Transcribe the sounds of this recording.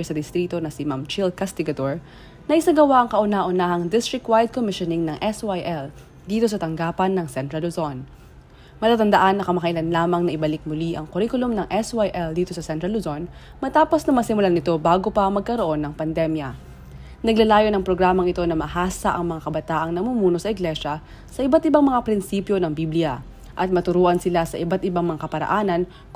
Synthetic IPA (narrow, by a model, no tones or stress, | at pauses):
ɛsɐd̪ɪst̪ɾiːt̪o̞nɐsimamt͡ʃɪlkast̪ɪɡɐd̪oɹ | nɐʔɪsɐɡɐwaʔɐŋkɐʔʊnaʔʊnahɐŋd̪ɪst̪ɹɪk̚t̪̚wajd̪̚komɪʃonɪŋnɐŋʔɛswajʔɛl | d̪iːt̪o̞sɐt̪ɐŋɡaːpɐnːɐŋsɛnt̪ɾɐlʊzon | mɐt̪aːt̪ɐnd̪ɐʔanːɐkɐmɐkɐʔɪlɐnlaːmɐŋnɐʔɪbɐlɪk̚mʊliʔɐŋkʊɾikʊlomnɐŋʔɛswajʔɛld̪iːt̪o̞sɐsɛnt̪ɾɐlːʊzo̞n | mɐt̪aːpo̞snɐŋmɐsɪmʊlanɪt̪o̞baːɡo̞pɐmɐɡ̚kɐɾoʔo̞nːɐŋpɐnd̪ɛmjɐ | nɐɡ̚lɐlaːjo̞nɐŋpɾo̞ɡɾaːmɐŋɪt̪onɐmɐhaːsɐʔɐŋmɐŋakɐbɐt̪aːʔɐŋnɐmumuːno̞sɐɪɡlɛʃɐ | sɐʔɪbat̪̚ɪbaŋmɐŋapɾɪnsiːpjo̞nɐŋbiblɪjɐ | ʔɐt̪̚mɐt̪ʊɾoːʔɐnsɪlasɐʔɪbat̪̚ɪbaŋmɐŋakɐpɐɾɐ̰ʔaːnɐn